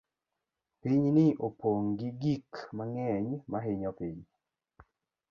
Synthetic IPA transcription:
piɲnɪʔopoŋɡiɡikmaŋɛɲmaɦeɲɔpiɲ

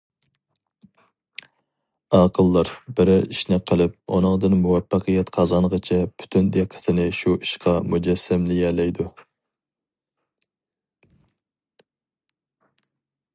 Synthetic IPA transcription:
ɑːqʰəlˠːɑɾbɪɾɪɾiʃnɪqʰəlˠɪp̚o̰nɨŋd̪ɨnmuwɛpːɑqʰəjɛt̪qʰɑzɑnʁət͡ʃʰɛpʰy̥t̪ʰynd̪eqʰːə̥t̪ʰɪnɪʃuʔiʃqɑmud͡ʒɛsːɛmlɪjɛlɛjd̪u

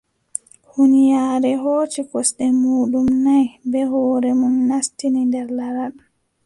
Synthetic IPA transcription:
hunijaːɾɛɦoːt͡ʃikɔsɗɛmuːɗumnajbɛhɔːɾɛmunːastinindɛɾlaɾaɗ

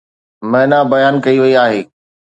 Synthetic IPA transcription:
mɐɦɪnabɐjaːnkɐiʋɐiaːɦeː

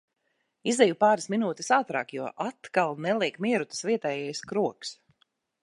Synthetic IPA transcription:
izd̪ɛjupaːɾasminuːt̪i̥saːt̪ɾa̰ːkjuɔʔat̪kalˠnɛlˠiɛkmiɛɾut̪ɨ̥sviɛt̪ɛːjɛjskɾuɔks

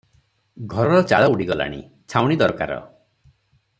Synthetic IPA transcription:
ɡʱɔɾɔɾɔt͡ʃa̰ɭɔuɽiɡɔla̰ɽ̃i | t͡ʃʰawɽ̃id̪ɔɾkaɾɔ̰

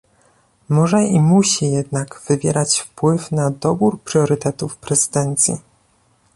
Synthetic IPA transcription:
mɔʐɛimuɕijɛd̪naɡv̥ɘvʲjɛ̰ɾat͡ɕfpwɘfnad̪ɔbuɾpɾjɔɾɘt̪ɛt̪ufpɾɛzɘd̪ɛnt̪sʲjḭ

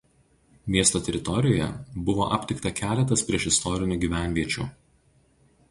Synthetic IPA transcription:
mʲiɛst̪oːt̪ʲɛɾʲɪt̪ɔɾʲɪjoːjɛ̰bʊʋo̰ːʔɐpʲt̪ʲɪkt̪ɐkʲæːlʲɛt̪̬ɐspʲɾʲiɛʃɪst̪ɔɾʲɪnʲuːɡʲiːʋʲæˑnʲʋʲiɛt͡ʃʲṵːˑ

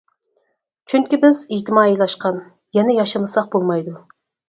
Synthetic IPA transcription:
t͡ʃʰyŋkʲibɪzid͡ʒt̪ʰɪmɑːilˠɑʃqɑn | jɛnɪjɑʃɨmɨsɑq̚bolˠmɑjd̪u

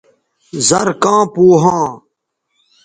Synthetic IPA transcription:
zɐɾkãːpuːɦãː

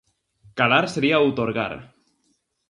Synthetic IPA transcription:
kalaɾseɾiaut̪oɾɣa̰ɾ

